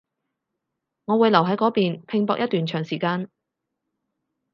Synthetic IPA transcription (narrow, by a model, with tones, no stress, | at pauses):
ŋɔ˨˧wuː˨˧jlɐ˨˩wɦɐ˨˥jkɔː˨˥piː˨npʰɪ˧ŋpɔː˧k̚jɐ˥t̪̚yː˨nt͡ʃʰœː˨˩ŋsiː˨˩kaː˧n